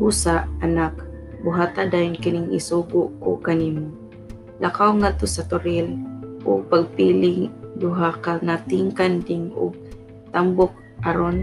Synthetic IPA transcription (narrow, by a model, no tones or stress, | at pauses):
busaʔanak̚ | bʊɦaːt̪ad̪aːjʊnkɪnɪŋɪ̰suɡʊʔo̰kanimo | lʔakawŋat̪ʊsat̪ʊɾɪlʔo̰paɡ̚piːlɪŋd̪ʊɦakaŋat̪iŋkand̪ɪŋʊ̰ɡ̚ | t̪ambʊk̚ | aɾon